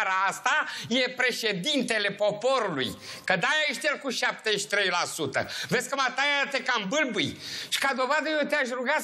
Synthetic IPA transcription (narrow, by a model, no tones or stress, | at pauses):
ɾaast̪ajepɾe̞ʃe̞d̪int̪e̞le̞po̞po̞ɾulṵjkəd̪ajajeʃt̪ejelkuʃap̚t̪eʃi̥t̪ɾe̞jlasut̪ə̰vesʲkəmat̪ajat̪ekambɨlbujʃi̥kad̪o̞vad̪əjeot̪eaʃruɡa